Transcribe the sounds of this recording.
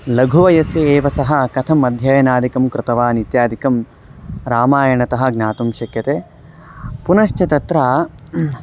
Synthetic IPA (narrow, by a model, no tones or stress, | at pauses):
lɐɡʱuʋɐjɐseeːʋɐsɐɦɐ̆kɐt̪ʰɐmɐd̪ʱjɐjɐnaːd̪ikɐmkɾɪt̪ɐʋaːnit̪jaːd̪ʱikɐm | ɾaːmaːjɐɳɐt̪ɐɦɐ̆ɡnaːt̪umʃɐkjɐt̪eː | punɐʃt͡ʃɐt̪ɐt̪ɾaː